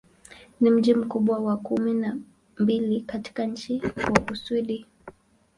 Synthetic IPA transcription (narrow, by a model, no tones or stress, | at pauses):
nim̩ʄim̩kuɓwawakumina | mbilikati̥kaɲ̩t͡ʃiwakusuɗi